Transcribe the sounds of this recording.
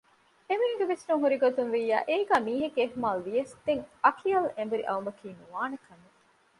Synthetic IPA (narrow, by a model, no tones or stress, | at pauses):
emeŋɡeʋesnuŋɦuɾiɡot̪unʋiːjːa̰ːʔeːɡæːmiːɦeɡeeɦmaːlʋijɐsd̪eŋɐkʰiɐlẽmbuɾḭʔɐumɐkʰiːnuʋaːnekɐme